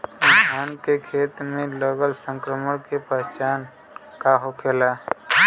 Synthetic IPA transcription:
ɪt̪ʰaːnkekʰeːt̪mẽləɡəlsə̃ŋkɾəməɽkepəɦt͡ʃaːn | kaɦokʰeːla

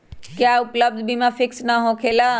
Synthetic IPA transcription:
kjaːʊpləb̚d̪ʱbʱimãfɪksnaɦõkʰeːlaː

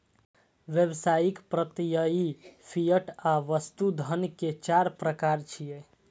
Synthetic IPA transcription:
ʋjebsajikpɾət̪ijəipʰijəʈaʋəst̪ud̪ʱənket͡ʃaɾpɾəkaɾt͡ʃʰijɛ

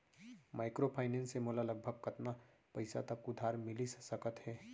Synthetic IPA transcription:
maːɪkɾopʰaːɪnɛ̃ːnsemoːlalɐɡ̚bʱəɡ̚kɐt̪na | pɐɪsa̰t̪əkʊd̪ʱaːɾmɪlissəkət̪ɦɛː

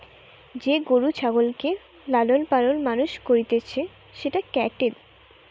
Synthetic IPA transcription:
d͡ʑeɡoɾut͡ɕʰaɡolke | lalolpanolmanuʃkoɾit̪et͡ɕʰe | ʃeʈakɛʈel

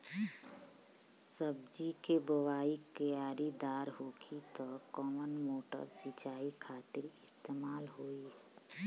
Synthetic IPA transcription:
səb̚d͡ʒikebəʋaːikəjaːɾid̪aːɾɦoːkʰit̪ɔkɔːmənmoːʈə̰ɾsɪt͡ʃaːikʰaːt̪ɪɾɪst̪eːmaːlɦoːiː

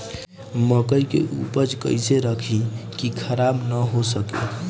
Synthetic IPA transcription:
məkəjkḛʔṵpəd͡ʒkə̰ɪseɾəkʰĩkikʰəɾabnəɦosəkḭ

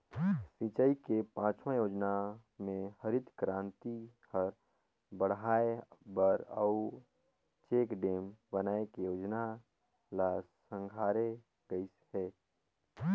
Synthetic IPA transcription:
sit͡ʃəikepãːt͡ʃmãjoːd͡ʒnamẽhəɾɪt̪kɾãːnt̪ihəɾ | bəɽ̤ɦaːebəɾə̰u | t͡ʃeːkɖeːmbənaːekejoːd͡ʒna | la | sə̃ŋɡʱaːɾe | ɡəisɦɛː

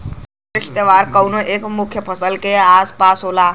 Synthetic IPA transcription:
ɪʂt̪əʋaɾkəwnəʔekmukʰjəpʰəsəlkeazpasɦola

